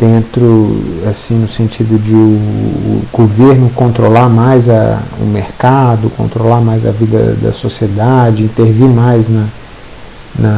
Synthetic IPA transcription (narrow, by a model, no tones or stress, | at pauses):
d̪̥ẽnt̪ɾʊasĩnʊsẽnt͡ʃid̪ʊd͡ʒɪʊː | ɡoveɾnʊkõnt̪ɾolaɾmajzɐʊ̰meɾkad̪ʊkõ̰nt̪ɾolamajzɐ̰vid̪ɐ̰d̪ɐ̰sosied̪ad͡ʒɪĩt̪eɾvimajznɐ | nɐ